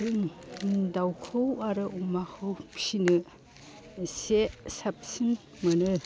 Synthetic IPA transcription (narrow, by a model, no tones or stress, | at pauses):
ɯŋdawkʰɯwaɾɯʔumahɯwsinɯ | sesapsin | mɯnɯ